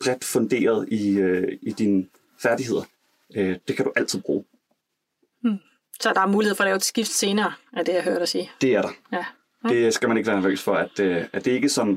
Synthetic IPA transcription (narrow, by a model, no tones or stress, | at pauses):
b̥ʁɛd̥fɔ̽nd̥e̝̰ːɐð̞̩ˠiøid̥inə | fæɐd̥iɦe̝ð̞̰ˠɐ | ød̥e̝kʰæɾuʔæl̰t͡sʰiðˠb̥ʁṵː | sɒ̽d̥ɑ̈æɐmuːlieðˠfɒ̽lɛːʊed̥sɡ̥ifd̥se̝ːnɐːæd̥e̝jɑɦøɐ̰ɾɐsiːd̥e̝æɐɾɑ̈ | d̥e̝sɡ̥æmæneɡəʋæːɐnæɐʋø̰ːsfɒ̽æd̥æd̥e̝e̝ɡ̥əsɒ̽n